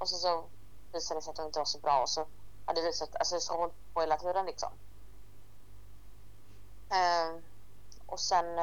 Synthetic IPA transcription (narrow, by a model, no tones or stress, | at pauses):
ʔɔsɛns̬ɔ | viːsad̪əsɾat̪d̪ʊmɪnt̪əvaʂɔbɾɑːɔsɔ | had̪ːjaviːsat̪ːa̰lsɔsɔhɔl | pʰɔheːlat̪ʰʉ̟ːɾənlɪksɔ̰m | ɛ | ʔɔsɛn